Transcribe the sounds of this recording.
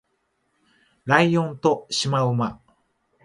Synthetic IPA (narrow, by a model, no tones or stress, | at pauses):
ɾajjõnt̪oɕimaɯma